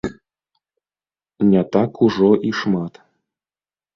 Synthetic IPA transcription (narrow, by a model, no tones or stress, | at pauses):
nʲat̪ɑkxuʐoʔiʂmɑt̪